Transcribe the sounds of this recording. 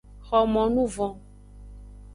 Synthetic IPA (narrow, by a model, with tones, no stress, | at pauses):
xɔ˨mɔ̃˨nũ˦vɔ̃˨